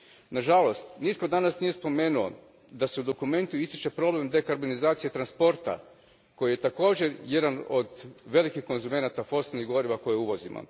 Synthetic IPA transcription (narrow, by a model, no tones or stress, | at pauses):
naʒalo̞st̪nit̪ko̞d̪anasnije̞spo̞me̞ːnuo̰ | d̪aseud̪o̞kume̞nt̪uist̪it͡ʃe̞pɾo̞ble̞md̪e̞kaɾbo̞nizaːt̪sijet̪ɾanspo̞ɾt̪a̰ | ko̞jije̞t̪ako̞ːd͡ʑe̞ɾje̞d̪ano̞d̪ʋe̞likixkonzume̞nat̪afo̞slniɣɡo̞ɾiʋako̞jeuʋozimo̰